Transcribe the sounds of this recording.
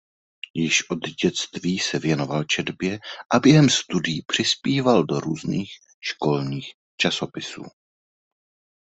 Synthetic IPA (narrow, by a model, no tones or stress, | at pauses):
jɪʃʔo̞d̪ɟɛt͡st̪viːsɛvjɛno̞valt͡ʃɛdbjɛʔabjɛɦɛmst̪udɪjipr̝̥ɪspiːvaldo̞ɾuːzniːx | ʃko̞lɲiːx | t͡ʃaso̞pɪsṵː